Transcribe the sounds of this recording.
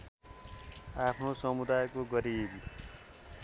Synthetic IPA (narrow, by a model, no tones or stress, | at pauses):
apʰnosʌmud̪ajkoɡʌɾibi